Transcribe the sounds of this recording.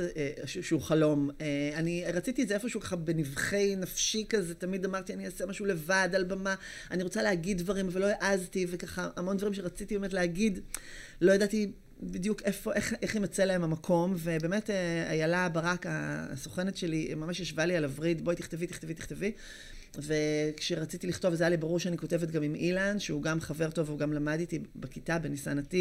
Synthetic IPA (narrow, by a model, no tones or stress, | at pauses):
ʃʃeuχalo̞meaniʁat͡sitiezeefo̞ʃeukaχabenivχe̞jnɐfʃikazet̪amid̪amaʁt̪ianiasemaʃule̞vad̪albama | aniʁo̞t͡salehaɡid̪̚dvaʁimvelo̞jaʔazt̪ivekaχaʔamo̞nd̪vaʁimʃe̞ʁat͡sit̪ibemetleɦaɡid̪ | lo̞jadat̪i | bid̪jukʰe̞fo̞ʔe̞χʔeχnimat͡selaemamakʰo̞mve̞beːme̞tea̰jalabaʁaka̰ːsoχenetʃelimamaʃjaʃvalialavʁidboit̪iχt̪evit̪i̥χt̪evit̪i̥χtevi | ve̞kʃeʁat͡sitiliχto̞vazajalibaʁuʁʃeaniko̞te̞vet̪̚ɡamimilanʃeuɡamχave̞ʁto̞veuɡamlamaditibekitabe̞nisanati